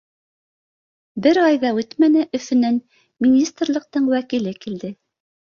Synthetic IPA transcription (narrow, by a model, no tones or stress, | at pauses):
bɘɾɑjðɑʉt̪mænɘʔɵ̆fɘ̆næn | mʲinʲist̪rlˠɤ̆q̚t̪ɤɴwækilɘkild̪ɘ